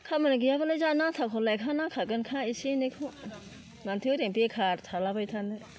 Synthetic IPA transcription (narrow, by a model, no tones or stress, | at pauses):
kʰamɯnɯɡijabalajzanatʰakʰɔlajkʰanakʰaɡɯnkʰãisinekʰu | nantʰiɾempekʰaɾt̪ʰalabajtʰanɯ